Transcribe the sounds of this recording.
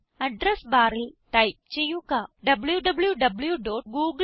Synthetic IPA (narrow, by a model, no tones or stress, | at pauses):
ɐɖɾesbaːɾɪlʈɐɪp̚t͡ʃejːukaːɖɐbljuɖɐbljuɖɐbljuɖoːʈ̚ɡuːɡ